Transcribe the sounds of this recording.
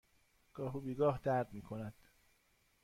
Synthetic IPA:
ɡ̥ɒːɦubiːɡɒːhd̪æɾd̪miːkʰonæd̪̥

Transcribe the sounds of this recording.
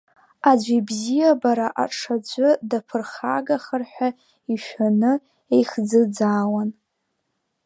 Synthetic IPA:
ad͡ʒʷibzijabaɾaʔa̰ʈ͡ʂʰad͡ʒʷʊdapʰɨrχa̰ɡaχərħʷᶣa | iʃʷᶣanɨ | ejχd͡zɨd͡zaːwan

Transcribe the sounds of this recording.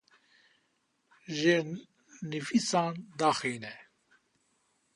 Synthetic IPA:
ʒe | nifisɑːnd̪ɑːxiːnɛ

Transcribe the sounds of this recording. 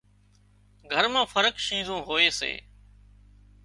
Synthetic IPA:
ɡʱəɾmãːfʰəɾəkʃĩːzʱõːɦoːeːsḛː

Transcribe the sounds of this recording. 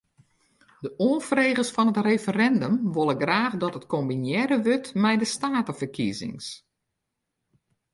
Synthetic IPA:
dəʔonfreːɣəsfɔnɦətrefərɛndəmʋolˠəɡraːχdɔtətkombinjɛɾəʋøtmɛjdəstaːtəfərkḭzɪ̰ŋs

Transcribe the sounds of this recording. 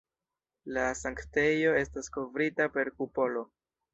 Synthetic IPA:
lasaŋkte̞jo̞e̞staskovɾitape̞ɾkupo̞lo̞

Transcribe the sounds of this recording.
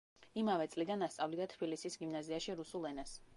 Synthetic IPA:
imavɛt̪sʼlid̪anast̪sʼavlid̪at̪ʰb̥ilisisɡimnaziaʃiɾusulˠɛnas

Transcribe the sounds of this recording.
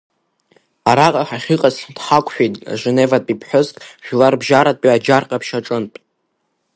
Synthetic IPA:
aɾaqʼaħaχʲiqʼazdħakʷʰʼħᶣijtʼa̰ʒʷenevatʼipʰħʷʊzkʼʒᶣlarbʒaɾatʼiad͡ʒarqʼapʰʃaʈ͡ʂʼɨntʼ

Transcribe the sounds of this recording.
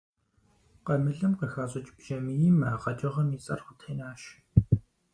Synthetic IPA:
qɐmɨɮɨmqɐxaɕʼɪt͡ʃʼpʒɐmiimaːʁɐt͡ʃʼɪʁɐmiːt͡sʼɐ̰rχʷʊtʰeːnaːʃ

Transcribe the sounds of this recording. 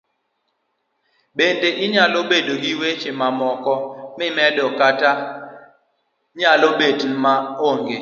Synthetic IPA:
bendeʔɪɲalobedoɡiwet͡ʃemamɔkɔmɪmɛdɔkata | ɲalobedmaoŋɡe

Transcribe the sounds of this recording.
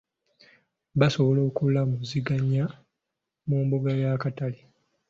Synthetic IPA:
baso̞βolo̞ːkulːamuziɡaɲːa | muːmbuɡajakatali

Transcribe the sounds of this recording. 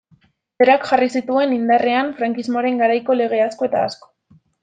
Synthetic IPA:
beɾakxarisit̪ue̞nind̪are̞aɱfɾaŋkizmo̞aɾe̞ŋɡaɾajko̞le̞ɣ̞e̞asko̞e̞t̪a̰ːsko̥

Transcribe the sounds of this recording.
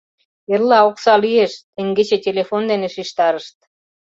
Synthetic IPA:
erlɑoksɑlyeʃt̪ĕŋɡet͡ɕetʲelefond̪eneʃiʃt̪ɑɾəʃt̪̚

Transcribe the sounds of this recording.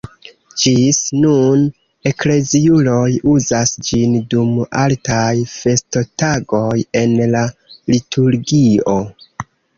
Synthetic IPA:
d͡ʒisnun | e̞kle̞ziulo̞juzasd͡ʒinduma̰ltajfe̞sto̞taɡo̞je̞nlalitʰuɾɡio̞

